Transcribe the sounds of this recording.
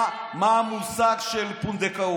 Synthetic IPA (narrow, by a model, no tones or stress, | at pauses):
mamusakʃelpund̪ekə